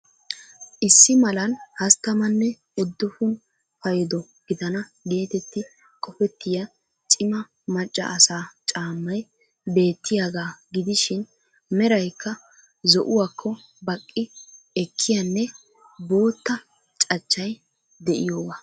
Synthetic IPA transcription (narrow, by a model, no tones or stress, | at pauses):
ʔɪsːɪmɐlɐnhɐst̪ːɐmɐnːɛ | ʊd̪ːɔfʊn | fɐjd̪ɔ | ɡ̥ɪd̪ɐnɐɡe̞ːt̪ɛt̪ːɪ | kʼɔfɛt̪ːɪjɐ | t͡ʃʼɪmɐ | mɐt͡ʃʼːɐ̰ʔɐsaːt͡ʃʼaːmːɐj | be̞ːt̪ʰːɪjaːɡaːɡɪd̪ɪʃɪn | mɛɾɐjkːɐ | zɔʔʊwakʰːɔ | bɐkʼːɪ | ɛkʰːɪjɐnːɛ | bo̞ːt̪ːɐ | t͡ʃʼɐt͡ʃːɐj | d̪ɛʔɪ̰joːwa